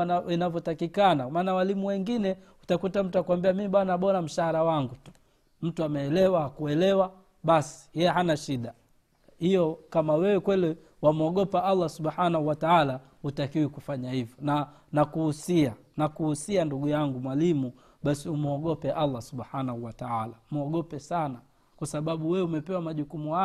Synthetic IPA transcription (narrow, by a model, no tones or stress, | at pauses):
inavjɔtakikanamaːnawalimuwɛŋɡinɛ | utakutam̩tuakwambiamimiɓwanaɓɔnam̩ʃaɾawaŋɡutu̥ | m̩tuamɛːlɛwahakuɛlɛwa | ɓasi̥jɛjɛɦanaʃiɗa | hijɔkamawɛwɛkwɛlɛ | wamɔɠɔpaʔalːasuɓħanahuwataala | hutakiwikufaɲahivjɔna | nakuhusia | nakuhusianduɡujaŋɡumwalimu | ɓasiumɔɠɔpɛʔalːasuɓħanahuwataalamɔɠɔpɛsana | kwasaɓaɓuwɛumɛpɛwamaʄukumuha